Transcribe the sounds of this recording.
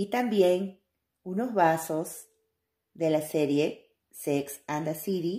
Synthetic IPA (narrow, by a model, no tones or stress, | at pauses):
it̪ambje̞ŋ | uno̞zβasos | d̪e̞lase̞ɾje̞ | seksand̪asiɾi